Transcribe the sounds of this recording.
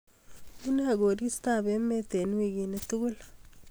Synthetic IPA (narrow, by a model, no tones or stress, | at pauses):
munaɡoɾist̪abemet̪enwiɡinet̪uɡul